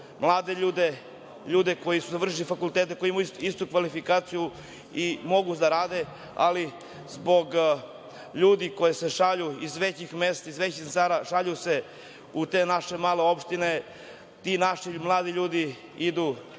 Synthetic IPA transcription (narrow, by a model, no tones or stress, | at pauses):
mlˠaːd̪e̞ʎuːd̪e | ʎuːd̪e̞ko̞jisuzaʋr̩ʃ̬ilifakulˠt̪eːt̪eko̞jiimaiist̪ukʋalifikaːt̪siju | imo̞ɡud̪aɾaːd̪e̞ | a̰li | zbo̞ɡ | ʎuːd̪iko̞jeseʃaʎuizʋet͡ɕixmest̪aizʋet͡ɕisaɾaʃaʎuse̞ | ut̪eːnaʃe̞maːleo̞pʃt̪ine | t̪inaʃimlˠaːd̪iʎuːd̪i | id̪u